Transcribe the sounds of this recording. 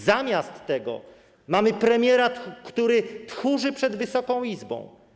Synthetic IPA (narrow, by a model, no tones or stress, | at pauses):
zamʲjast̪ːɛɡɔ̰ | mamɘpɾɛmʲjɛɾakt̪uɾɘt̪xuʐɘpʂɛd̪vɘsɔkɔ̃w̃izbɔ̰̃w̃